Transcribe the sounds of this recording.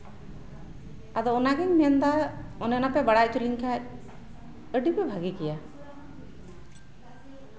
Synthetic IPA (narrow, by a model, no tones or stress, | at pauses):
ad̪ɔɔnaɡɛŋmiɛnd̪aɔnɛnapɛbaɽaʔ̚t̪uliɲkʰac̚ | əɖipɛbʱaɡikija